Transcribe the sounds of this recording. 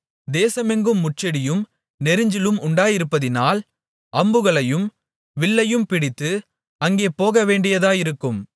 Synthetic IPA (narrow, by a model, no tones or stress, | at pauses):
d̪eːsɐmɛŋɡɯmːʊʈ̚t͡ʃɐɽɪjɯm | nɛɾɯɲd͡ʒɪlɯmʊɳɖaːjɪɾɯpːɐðɪnaːl | ʔɐmbɯɣɐɭɐjɯm | ʋɪɭːɐjɯmpɪɽɪt̪ːɯ | ɐŋɡeːpoːɣɐʋeːɳɖɪjɐðaːjɪɾɯkːɯm